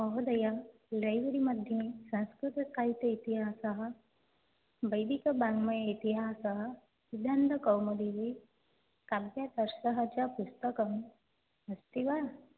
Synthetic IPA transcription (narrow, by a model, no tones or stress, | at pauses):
ɐɦod̪ɐja | lɐjʋɐɾimɐd̪ʱjɐsɐ̃nskɾɪt̪ɐsaːɦit̪ɐit̪iɦaːsɐɦɐ̆ | bɐjd̪ikɐbãŋɡmɐjit̪iɦaːsɐɦɐ | id̪ʱand̪ɐkɐwmɐd̪iʋi | kabjat̪ɐɾsɐɦɐt͡ʃɐpust̪ɐkɐm | ɐst̪iʋa